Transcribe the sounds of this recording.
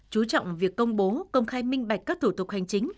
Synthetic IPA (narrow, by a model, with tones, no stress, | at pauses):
t͡ɕu˨˦t͡ɕɔ̰˧˨wŋ͡mvi˨˩əkːə˧wŋ͡mɓo˨˦kə˧wŋ͡mxaː˧jmï˧ŋ̟ɓa˨˩jk̟̚kaː˦˥k̚t̪ʰu˧˩t̪ʊ˨˩k̚ha˨˩jŋ̟t͡ɕï˨˦ŋ̟